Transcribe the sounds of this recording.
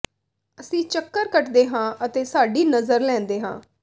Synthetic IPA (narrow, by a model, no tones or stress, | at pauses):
əsĩːt͡ʃəkːəɾkəʈd̪eːɦãːət̪eːsaːɖiːnəzəɾlɛ̃ːnd̪eːɦã̰ː